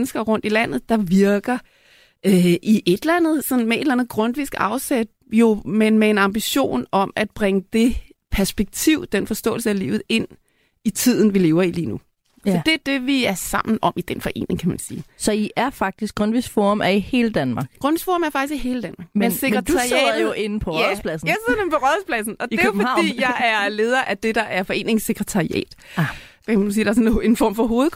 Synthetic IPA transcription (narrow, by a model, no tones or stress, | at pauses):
nəsɡ̥ɐʁɔ̽n̰d̥ilæn̰ð̞̩ˠd̥ɑ̈ʋiɐɡ̥ɐ | øʔiʔe̝d̥lænð̞̩ˠsɒ̽n̩mee̝d̥lænð̩ˠɡ̥ʁɔ̽nʋisɡ̥ɑ̈ʊsed̥̚ | jo̝menmee̝nɑ̈mb̥iɕo̝̰ːnɒ̽mæd̥̚b̥ʁɛŋəd̥e̝ | pʰæɐsb̥eɡ̥̚t͡sʰiʊ̰d̥enfɒ̽sd̥ɔ̰̽ːl̩səælḭːʊð̩ˠe̝n̰ | it͡sʰið̞̰ˠn̩ʋile̝ːʊɐilḭːnu | sɒd̥e̝æɐd̥e̝ʋiæɐsɑ̈m̰n̩ɒ̽m̰id̥enfɒ̽ʔe̝̰ːne̝ŋkʰæmænsiːsɒ̽iʔæɐfɑ̈ɡ̥̚d̥isɡ̥ʁɔnʋisfɔ̰ːmæɐihe̝ːləd̥ænmɑ̈ɡ̥ɡ̥ʁɔnʋisfɔ̰ːmæɐfɑ̈ɡ̥isiɦe̝ːləd̥ænmɑ̈ːɡ̥menseɡmʁɛt͡sd̥uɑsḭjoʔe̝n̩pʰɒspʰlæsn̩jɑseðˠɐdempɒ̽ʁɔðˠspʰlæsn̩ɒ̽d̥e̝jofɒdd̥ḭːjɑ̈ɪæɐle̝ːð̞ˠɐʔæd̥e̝d̥ɑ̈ʔæɐfɒ̽e̝̰ːne̝ŋseɡ̥ʁɐt͡sʰɑ̈iɛ̰ːd̥ʰ | mænus̬iːd̥ɑ̈ɐsne̝nfɒ̰ːmfɒ̽ɦo̝ːð̞̩ˠ